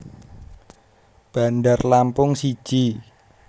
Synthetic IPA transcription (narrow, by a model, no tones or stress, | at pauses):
b̥a̤ndarlampʊŋsi̥ʒ̥i